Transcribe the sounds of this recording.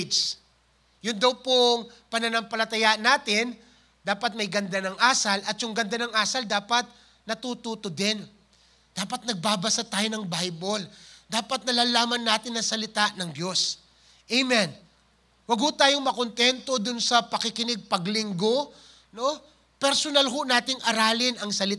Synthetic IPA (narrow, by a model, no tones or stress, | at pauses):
jʊnd̪ɐwpoŋpɐnɐnɐmpɐlɐt̪ɐjaʔnaːt̪ɪn | d̪aːpɐt̪̚mɐjɡɐnd̪anɐŋʔaːsɐlʔɐt̪̚jʊŋɡɐnd̪anɐŋʔaːsɐld̪aːpɐt̪̚ | nɐt̪ut̪uːt̪od̪ɛn | d̪̥aːpɐt̪̚nɐɡ̚baːbɐsat̪aːjonɐŋbajbold̪aːpɐt̪̚nɐlaːlaːmɐnːaːt̪ɪnːɐsɐlɪt̪aʔnɐŋd̪jo̞s | ʔɛjmɛn | wɐɡ̚hʊt̪aːjoŋmɐkont̪ɛnt̪o̞d̪ʊnsɐpɐkɪkɪnɪɡ̚pɐɡlɪŋɡo̞ | no̞ | pɛɾsonalɦonaːt̪ɪŋʔɐɾaːlɪnɐŋsɐlɪ